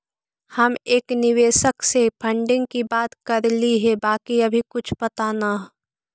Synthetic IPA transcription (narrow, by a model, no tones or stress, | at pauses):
hɐmeːknɪʋeːʃəksepʰə̃ɳɖɪ̃ŋɡ̚kibaːt̪kɐɾliɦɛbaːkiɐbʱikʊt͡ʃʰpɐt̪anaɦ